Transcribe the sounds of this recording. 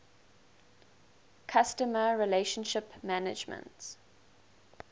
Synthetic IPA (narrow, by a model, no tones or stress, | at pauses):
kʰastəməɹileʃə̃nʃɪpmænɪ̰d͡ʒmə̰̃nts